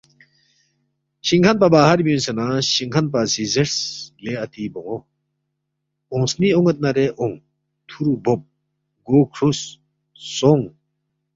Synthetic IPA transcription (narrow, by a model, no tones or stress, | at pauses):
ɕiŋkʰanpabaːɦaɾbiunsenaɕiŋkʰanp̬asizeɾsleɐt̪ibɔŋɔ | ɔ̃sniɔŋet̪̚naɾeʔɔŋ | t̪ʰuɾubɔp̚ | ɡokʰɾusː | ɔŋ